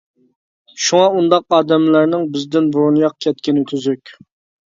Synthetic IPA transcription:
ʃuŋɑund̪ɑq̚ɑːd̪ɛmlæɾnɪŋbɪzd̪ɪnbuɾunjɑqkʲʰɛt̪̚kʲɪnyt̪ʰyzykʲ

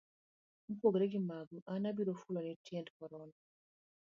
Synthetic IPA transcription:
m̩poɡɾɛɡimaɡuʔanabiɾofulɔnitjɛndkɔɾɔnɔ

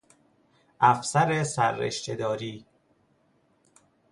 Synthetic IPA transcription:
ʔæfsæɾesæɾːḛʃt͡ʃed̪ɒːɾiː

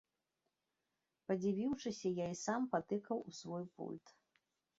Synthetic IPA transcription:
pɐd͡zʲivʲiwʂɨsʲɐjaisampat̪ɨkɐwusvɔjpṵlʲt̪

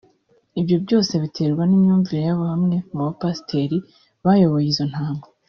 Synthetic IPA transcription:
ibjo̞bjo̞ːse̞βitʰe̞ːɾɡwanimɲuːɱviɾejaβohamŋe̞muβapasi̥tʰe̞ɾi | βajo̞βojizo̞n̥haːŋɡo

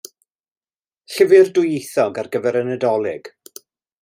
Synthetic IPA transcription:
ɬəvɨrdʊjejθɔɡarɡəvɛɾənədɔlˠɪɡ̥

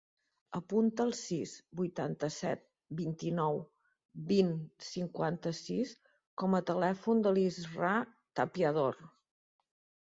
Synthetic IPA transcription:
əpunt̪əːlˠsizbujt̪ant̪əsɛt̪̚ | bint̪inɔw | binsiŋkwant̪əsis | kɔmət̪əlɛfund̪əlizra | t̪əpiəð̞or

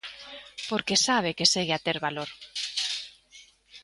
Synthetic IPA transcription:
poɾkesaβ̞ekeseɣeat̪eɾβaloɾ

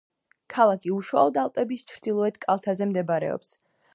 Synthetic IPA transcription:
kʰalˠakʰiuʃwa̰lˠɔd̪alˠpʼɛbist͡ʃʰɾd̪̥ilˠɔɛt̪kʼalˠt̪ʰazɛmd̪ɛbaɾɛ̰ɔ̰ps

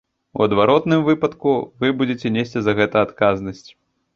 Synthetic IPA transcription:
ṵɐd̪vaɾɔt̪nɨmvɨpɐt̪kuvɨbud͡zʲet͡sʲɛnʲesʲt͡sʲizɐɣɛt̪ɐːt̪kaznɐsʲt͡sʲ

